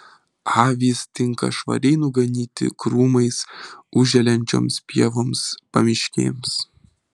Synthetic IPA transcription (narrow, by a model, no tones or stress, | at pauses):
ɑːʋʲiːst̪ʲɪŋkɐ̰ʃʋɐ̰ɾʲɛɪnʊɡɐnʲiːt̪ʲɪ̰kɾuːmɐɪsʊʒʲɛlʲɛnʲt͡ʃʲo̰ːmspʲiɛʋoːmspɐmʲɪʃʲkʲḛːms